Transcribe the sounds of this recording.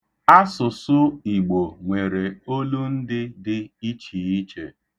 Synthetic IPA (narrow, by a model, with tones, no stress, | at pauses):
a˦sʊ˨sʊ˦i˨ɡ͡bo˨ŋʷe˨ɾe˨o˦lu˦n̩˦dɪ˦dɪ˦i˦t͡ʃi˨i˦t͡ʃe˨